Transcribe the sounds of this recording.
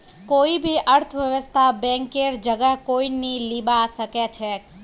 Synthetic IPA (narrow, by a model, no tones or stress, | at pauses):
koibʱiʔəɾt̪ʰəʋjəʋəst̪ʰabɛ̃ŋkeɾd͡ʒəɡəɦkoinilibaʃəket͡ʃʰe